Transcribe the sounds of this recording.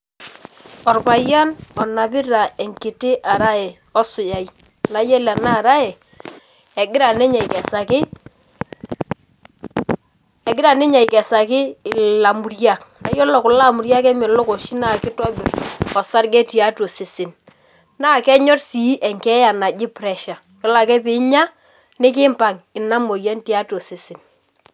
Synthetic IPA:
ɔ˨rpa˨ja˦nɔ˨na˨bɪ˦ɾa˨ɛ˨ŋkɪ˨tɪ˦ʔa˨ɾa˦ɛ˨ | ɔ˦sʊ˨ja˨i˦ | na˨jɛ˦la˨na˦˨ɾa˦ɛ˨ | ɛ˨ɡɪ˦ɾa˨nɛ˦ɲa˨i˨kɛ˨sa˨kɪ˦ | ɛ˨ɡɪ˦ɾa˨nɪ˦ɲa˨i˨kɛ˨sa˨kɪ˦ɪ˨la˨mu˨ɾja˦k̚na˦jɔ˦lɔ˨kʊ˨la˦˨mu˨ɾja˦kɛ˦mɛ˨lɔ˦ko˨ʃi˦na˦˨kɪ˦tɔ˦bɪ˨rɔ˨sa˦ɾɡɛ˦ti˨a˦to˨sɪ˨sɪ˨n | naː˦˨kɛ˦ɲɔ˦rsi˨˦ʔɛ˨ŋkɛ˦ja˨na˨d͡ʒɪ˦pɾɛ˨ʃa˨ | kɪ˨la˨kɛ˦pɪ˨˦ɲa˦ | nɪ˦k̬ɪ˦mpa˨ŋɪ˨na˦mo˨ja˦nti˦a˦to˨sɪ˨sɪ˨n

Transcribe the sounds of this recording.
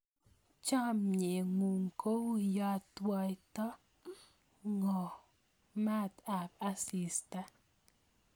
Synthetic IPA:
t͡ʃa˦mɲe˨ŋu˨ŋ˨ko˦wja˦twa˦jta˦ | ŋɔ˨ | ma˦ta˨p̚a˦si˨sta˦

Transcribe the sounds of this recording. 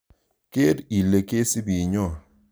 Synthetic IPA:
ke˦di˨le˨ke˦si˦bi˨ɲɔ˦˨

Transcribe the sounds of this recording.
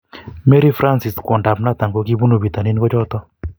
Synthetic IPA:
me˦ɾi˦fɾa˦nsɪ˨skɔ˨nda˨pna˦t̪a˨ŋɡo˨ki˦bu˦no˨bi˨t̪a˨ni˦nɡɔ˦d͡ʒɔ˦t̪ɔ˦

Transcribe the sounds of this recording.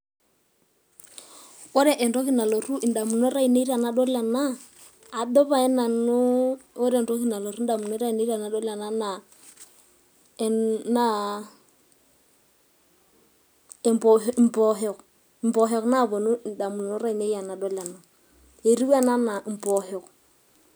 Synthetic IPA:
ɔ˦ɾɛ˦ʔɛ˨nɾɔ˦ki˦na˨lo˨ru˦ʔi˨nda˨mu˨nɔ˦ɾa˦i˨ne˦i˦ɾi˦a˨na˦ɗɔ˦la˨na˦ | a˨ɗɔ˦βa˨ɛ˦na˨nʊ˦o˦ɾɛ˨ndɔ˦ki˦na˨lo˨ɾu˦n˦da˨mu˨nɔ˦ɾa˦i˨ne˦ɾa˨na˨˦ɗɔ˦la˨na˦na˨ | na˨˦ | ɛ˨mpɔ˨ɦm˨pɔ˨ɦɛ˨k | m˨bɔ˨ɦɛ˨kna˦˨βɔ˨nu˦˨nda˨mu˨nɔ˦ɾa˦i˨ne˦a˨na˨ɗɔ˦la˨na˨ | e˨ɾi˦wa˦˨na˦na˨m̩˨pɔ˨ɦɛ˨k

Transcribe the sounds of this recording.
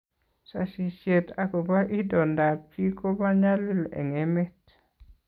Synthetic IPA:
sa̰˨ʃi˨ʃeta˨ko˨ba˦ʔi˦dɔ˨nda˨pi˦ko˦ba˦ɲa˦li˦lḛ˨ŋemet

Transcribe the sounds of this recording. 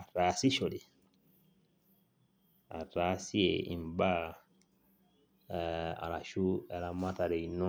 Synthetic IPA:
a˨ta˨˦si˦ʃo˨di˨ | a̰˨taː˨˦si˦e˨ḭ˨m˨ba˦˨ | a̰˨ɾa˨ʃu˦ɛ˨ɾa˨ma˦ta˨ɾe˨i˨nɔ˦

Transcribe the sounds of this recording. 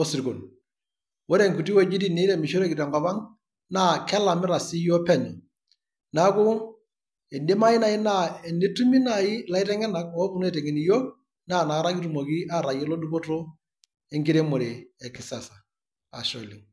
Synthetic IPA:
o˦si˨ɾko˨n | wo˦ɾe˦˨ŋku˨ti˦wo˦˨d͡ʒi˦ti˦ne˦ɾɛ˦˨mi˨ʃo˦ɾe˦ki˨ɾɛ˨ŋɡɔ˨pa˦ŋ | na˦kɛ˦la˨mɪ˦ɾa˨si˦jɔ˦pɛ˦ni˨ | na˦kʊ˦ | ɛ˨nde˦ma˦ji˦na˨ɪ˦na˦ɛ˨ni˦tu˦mi˦na˨ɪ˦la˦i˦tɛ˦ŋɛ˦na˨kɔ˦ku˦n˦ɛ˦˨tɛ˨ŋɛ˨ni˨jo˦k | na˦˨na˨˦ɾa˦ki˦tu˨mo˨ki˦a˦˨ɾa˨jɛ˦lo˦du˦ko˦to˦ | ɛ˦ŋɡi˦ɾe˦mo˨ɾe˨ɛ˨kɪ˨sa˨sa˨ | a̰˨ʃo˨li˨ŋ

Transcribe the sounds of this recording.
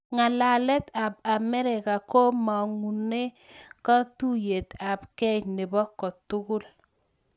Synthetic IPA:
ŋa˨la˨lɛ˦t̪a˨ba˨mɛ˦ɾɪ˨ka˨ko˦mɔ˨ŋu˨ne˦ | kɔ˦tu˦je˨t̪a˨bkɛ˦ɲnɪ˨bɔ˦kːɔ˨tʊ˦kʊ˦l

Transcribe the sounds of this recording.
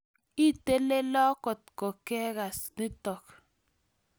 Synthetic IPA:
i˦te˦le˦lɔ˦kɔ˨t̚kɔ˨ke˦ɣa˨sni˦tɔ˨k

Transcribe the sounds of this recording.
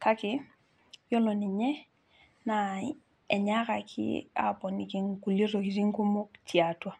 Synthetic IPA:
ka˦kɪ˦ | jɔ˦lɔ˨nɪ˨ɲɛ˦ | na˨˦ | ɛ˨ɲa˦ka˨kʰɪ̰˦a̰˦pɔ˨ni˨ki˦ŋku˨lje˦ɾo˨ki˨ɾi˦ŋku˦mʊ˦ktʰia˨twa˦

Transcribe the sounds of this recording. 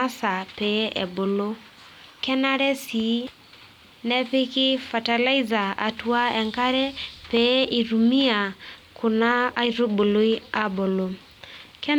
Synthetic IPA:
a˦sa˨pe˨˦ʔɛ̰˨bo˨lo˦ | kɛ˦na˦ɾɛ˦si˨˦ | nɛ˦pɪ˦kɪ˦fa˨ta˨la˦i˦za˨a̰˨tu˦a˦ɛ˨ŋka˦ɾɛ˦pe˨˦i˨ɾu˨mi˦a˨kʊ˨naː˦i˦ɾo˦bo˨lo˦i˦a˦bo˨lo˨ | kɛ˦

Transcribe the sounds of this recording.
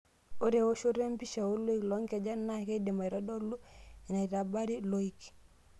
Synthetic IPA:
o˦ɾe˨wo˦ʃo˦ɾe˦m˦pi˦ʃa˨wo˦lo˦i˦klɔ˨˦ŋke˨d͡ʒa˦nːa˦˨ke˦de˨ma˨i˨ɾɔ˦dɔ˦lu˦i˨na˨i˨ɾa˨ba˦ɾi˦lo˦i˦k

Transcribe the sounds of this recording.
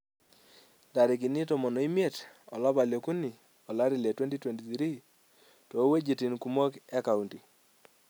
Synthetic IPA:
da˨ɾɪ˨k̬i˨ni˦to˨mo˨nɔ˨i˦mje˦˨tɔ˨la˦ba˨ljo˨ku˦ni˨ | ɔ˨la˦ɾi˨le˨twe˦nti˦twe˨nti˨tɾi˦ | tɔ˨˦we˦d͡ʒi˨ti˨nku˨mo˦kɛ˦ka˨u˨nti˨

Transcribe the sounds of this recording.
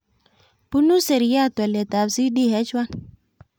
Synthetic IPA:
pu˦nu˦se˨ɾi˨ja˦˨tɛ˨le˨ta˨bsi˦di˦ɦɛ˦t͡ʃwa˦n

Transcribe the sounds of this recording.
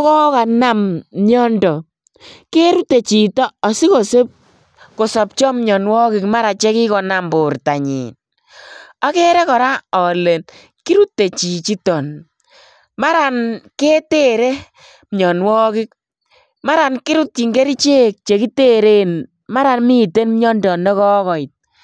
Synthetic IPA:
ɔ˦kɔ˦ka˨na˦mɲɔ˦ndɔ˨ | ke˦ɾu˦te˨t͡ʃi˨tɔ˦ɔ˨si˦ko˨se˦p̚ | ko˨sɔ˨p̚t͡ʃɔ˦mɲɔ˨nwɔ˦kɪ˨kma˦ɾa˨t͡ʃe˦ki˦kɔ˨na˨mbʊ˨rta˨ɲḭ˨n | a˦ke˦ɾɛ˦kɔ˨ɾa˦ɔ˨le˨n | ki˦ɾu˦tːe˨t͡ʃi˨t͡ʃi˦tɔ˨n | ma˦ɾa˨nke˦te˦ɾe˦ | mɲɔ˨nwɔ˦kɪ˦k̚ | ma˦ɾa˨nki˦ɾu˦t̚t͡ʃi˨ŋɡe˦ɾi˦t͡ʃe˦k̚t͡ʃe˨ki˦te˦ɾe˦n | ma˦ɾa˨nmi˦te˦nm˦ɲɔ˦ndɔ˨nɛ˦kɔ˦kɔ˨i˨t̚

